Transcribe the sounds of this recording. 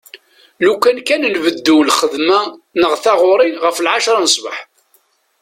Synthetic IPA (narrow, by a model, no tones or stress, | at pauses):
lukænkænnvəd̪ːulχəðmænəʁθɑʁʊɾˤɪnʁəflʕaʃɾˤɑnəsˤbə̰ħ